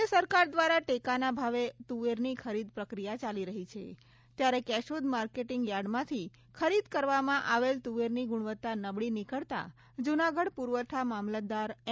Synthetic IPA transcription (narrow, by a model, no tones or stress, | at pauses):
esəɾkaɾd̪ʋaɾaʈekanabʱaʋet̪uʋeɾnikʰəɾid̪pɾəkɾijat͡ʃaliɾəɦit͡ʃʰḛ | t̪jaɾekɛʃod̪maɾkeʈiŋɡjaɽmãt̪ʰi | kʰəɾid̪kəɾʋamãʔaʋelt̪uʋeɾniɡʊɽ̃ʋət̪ːanəbɭinikəɭt̪a̰ | d͡ʒunaɡəɽpuɾʋət̪ʰamamlad̪aɾ